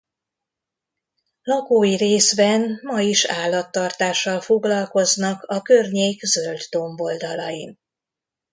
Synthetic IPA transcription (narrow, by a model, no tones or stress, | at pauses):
lɒkoːjiɾeːsbɛnmɒiʃaːlːɒt̪ːɒrt̪aːʃːɒlfo̞ɡlɒlko̞znɒkɒkørɲeːkzø̞ld̪d̪o̞ɱbo̞ld̪ɒlɒjin